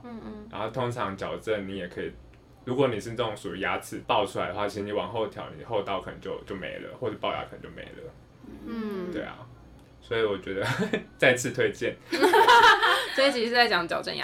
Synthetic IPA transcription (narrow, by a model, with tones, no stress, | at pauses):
ɻa˧˥ŋxo˥˩ʊt̪ʰo˥ŋʈ͡ʂʰɑ˧˦ŋt͡ɕjɑ˨˩ʊʈ͡ʂə˥˩nni˨˦jɛ˨˩kʰə˧˥i˨ | ɻu˧˥kwɔ˧˦ni˨˩ʂɻ̩˥˧nə˥˩o˨˧˩ŋsu˨˩i˨˥ja˦˥t͡sʰɹ̩˨˩˦pɑ˥˧ʊʈ͡ʂʰu˥a˧ɪd̪ə˧˩wa˥˩i˧˥ʂ̩ɻ̩˧ni˧˩wɑ˨˩ŋxo˥˧ʊt̪ʰjɑ̰˨˦ʊni˨˩xo˥˧ʊt̪ɑ˥˩ʊkʰə˨˩nə̰˧˦ŋt͡ɕjo˥˧ʊt͡ɕjo˥˩ʊmḛ˧˥ɪlə̰˧˨xwɔ˥˧ʂ̩˥˧pɑ˥˩ʊja̰˥kə˨˩ə˧˦˥t͡ɕo˥˩mḛ˧˥ɪlə̰˨˩ | t̪wḛ˥˩ɪa̰˩ | swɔ˧˥i˨wɔ˨˩t͡ɕɥɛ˧˥d̪ə˧t͡sa˥˧ɪt͡sʰɹ̩˥˧t̪ʰwe˥˧ɪt͡ɕjɛ˥˨n | swɔ˧˥i˨˩t͡ɕʰi˥˧˥t͡sa˥˩ɪt͡ɕjɑ˨˦ŋt͡ɕjɑ˨ʊʈ͡ʂə̰˥˨nja̰